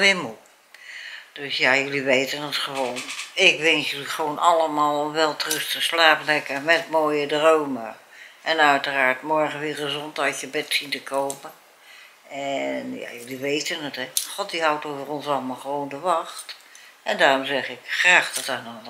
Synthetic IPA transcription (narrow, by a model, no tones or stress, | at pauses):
ʋɪmu | d̥øsjajøliʋejtənətχəʋoːnɪkʋɛnsjəliχəʋownʔɑlˠəmaːlˠɔmʋɛlˠtərɵstəslaːpəlɛkəɹmɛtmoːjədrowmə | ʔɛnœɥtəraːɹtmɔɹχənʋɪːrəzɔntaɥtjəbɛtsintəkowmə | ɛnja̰jɵliʋejtənətɛχɔt̚diɦɑwtowvərɔnsɑlˠəmalˠχəʋowndəʋɑχtɛndaːrɔmzɛχɪkχraːχdɑtanɔn